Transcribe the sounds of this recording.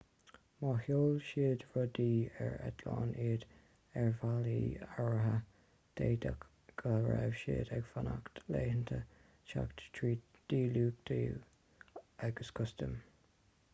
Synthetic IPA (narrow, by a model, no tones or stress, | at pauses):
mɑhjoːlʃiːdvɔd̪iːɛɹɛd̪lɑːniːd̪ | ɛɹvaliːaɹəɦə | d̪̥eːd̪ak | ɡ̥əɹɛvʃiːd̪ɛɡfanaktleːhənt̪ʰə | ʃakttʰɹiː | d̪̥iːluːk̚d̪̥i | aɡəskʰʊst̪əm